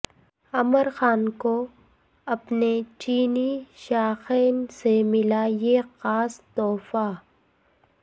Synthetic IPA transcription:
ɐməɾxaːnko | ɐpnet͡ʃiːniʃaːxeːnsemɪlajexaːst̪ɔːfa

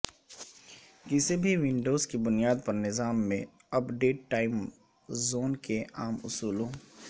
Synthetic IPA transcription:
kɪsebʱiʋɪ̃ɳɖoːzkibʊnijaːd̪̚pɐɾnɪzaːmːẽ | ɐpɖeːʈːaːɪm | zoːnkeʔaːmʊ̰suːlõː

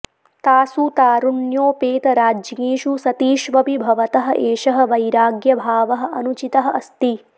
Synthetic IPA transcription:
t̪aːsut̪aːɾuɳjoːpeːt̪ɐɾaːd͡ʒŋiːʃusɐt̪iːʃʋɐbibʱɐʋɐt̪ɐɦɐ̆ʔeːʃɐɦɐ̆ʋɐjɾaːɡjɐbʱaːʋɐɦɐ̆ʔɐnut͡ʃit̪ɐɦɐʔɐst̪i

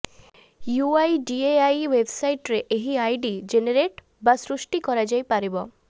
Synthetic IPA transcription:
juajɖieajwebsajʈɾeʔeɦiajɖid͡ʒeneɾeʈ | basɾusʈikɔɾad͡ʒajpaɾibɔ

